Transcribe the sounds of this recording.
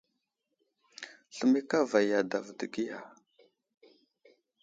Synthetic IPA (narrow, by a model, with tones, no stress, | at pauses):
ɬə˨mi˦ka˦va˨ja˨da˨vdə˨ɡi˦ja̰˨